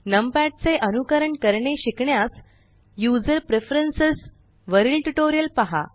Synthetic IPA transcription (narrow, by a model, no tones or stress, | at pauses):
nəmpæʈ̚t͡seʔənukəɾəɳkəɾɳeɕikɳjas | jud͡zəɾpɾefɾənsəs | ʋəɾilʈuʈoɾijəlpaɦa̰